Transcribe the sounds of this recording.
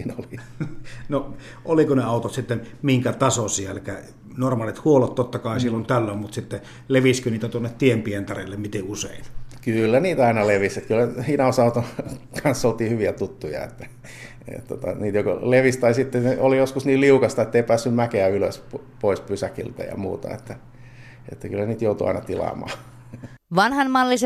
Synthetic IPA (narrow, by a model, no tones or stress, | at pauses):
iːnoli | no | ʔolikoneɑˑut̪ot̪sit̪ːenmiŋkæt̪ɑsosiælkæ | normɑːlit̪huolot̪t̪ːot̪ːɑkɑˑisilːont̪ælːommut̪sit̪ːe | leʋiskøniːt̪æt̪uonːet̪t̪iempient̪ɑrḛlːemmit̪eusḛˑinkylːæniːt̪ɑˑinɑleʋiset̪kylːæinɑosɑut̪okʰɑnsːolt̪iːhyʋiæt̪ut̪ːujɑ̰ḛt̪ːæ̥ | ḛt̪ːo̰t̪ɑ̰niːt̪joko̰leʋist̪ɑisit̪ːeneolijoskusniːliukɑst̪ɑet̪ːeipæːsːymmækeæylø̰sp | poispysækḭlt̪æ̰jɑ̰mṵːt̪ɑ̰ḛt̪ːæ | ḛt̪ːækylːæniːt̪jout̪uɑ̰inɑ̰t̪ilɑ̰mɑ̰ː | ʋɑnhɑnmɑlːise